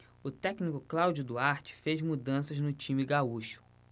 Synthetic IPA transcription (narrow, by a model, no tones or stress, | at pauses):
ʊt̪ɛknikʊklawd͡ʒʊd̪ʊaɾt͡ʃɪ̥fezmud̪ɐ̃sɐznʊt͡ʃĩmɪɡauʃʊ̥